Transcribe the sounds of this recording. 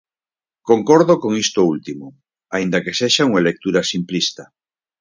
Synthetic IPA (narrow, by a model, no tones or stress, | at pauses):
koŋkoɾðokoŋist̪oult̪imo | aind̪ɐkeseʃauŋalek̚t̪uɾasimplist̪ɐ